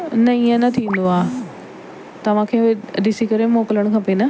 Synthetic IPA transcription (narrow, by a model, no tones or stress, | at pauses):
nɐiə̃nɐt̪ʰiʋ̃ːn̆d̪oaː | t̪ɐʋ̤ãkʰeːɦʊɦed̪ɪsikɐɾemoːkɪləɽ̃kʰãːpenɐ